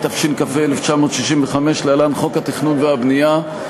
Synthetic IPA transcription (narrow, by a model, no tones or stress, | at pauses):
t̪afʃinkafeeleft͡ʃamo̞ːt̪ʃiʃimveχameʃlealanχo̞khat̪iχnunveabnija